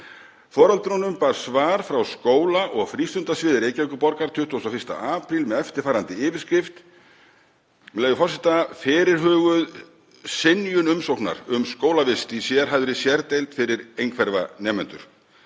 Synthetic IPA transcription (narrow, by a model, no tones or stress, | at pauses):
fɔːɾalt̪ɾɔnʏmpaɾ̥svaːɾ̥fɾawskoːwlaʔɔɣfɾiːst̪ʏnt̪asvɪːðɪɾeːjcajkʏpɔɾkaɾ̥t̪ʰʏht̪ɔsawfɪst̪a̰aːpɾilmɛðɛft̪ɪɾ̥faːɾant̪ɪɪːvɪɾ̥skɾɪft̪ | lɛːɣðʏfɔrsɪt̪afɪːɾɪɾ̥ɦœːɣʏð | sɪnjʏnʏmsowkna̰ɾʏmskoːwlavɪst̪isjɛɾ̥ɦaðʏɾɪsjɛɾt̪ejlt̪fɪɾɪɾejŋkʰvɛɾva̰nɛːmɛnt̪ʏ̰ɾ̥